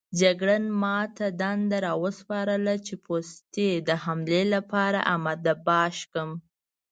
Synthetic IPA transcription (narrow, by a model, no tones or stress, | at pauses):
d͡ʒaɡɽənmɑt̪ad̪and̪aɾɑwəspɑɾəlat͡ʃepost̪ed̪əhamlelapɑɾa̰ʔamad̪abɑʃkəm